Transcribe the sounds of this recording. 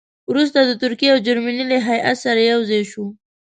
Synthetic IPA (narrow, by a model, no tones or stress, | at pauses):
wɾust̪ad̪ət̪ʊɾkijeawd͡ʒaɾmanileɦaja̰t̪saɾajawzɑjʃu